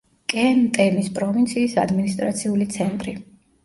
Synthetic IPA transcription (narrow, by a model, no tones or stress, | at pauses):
kʼɛnt̪ʼɛnispʼɾɔvint̪sʰiːsad̪minist̪ʼɾat̪sʰiulit̪sʰɛnt̪ʼɾi